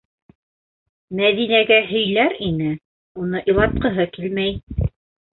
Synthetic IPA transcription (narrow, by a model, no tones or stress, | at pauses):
mæðinæɡæɦɵ̆jlæɾinɘ | unɤʔilˠɑt̪̚qɤ̆ɦɤkilmæj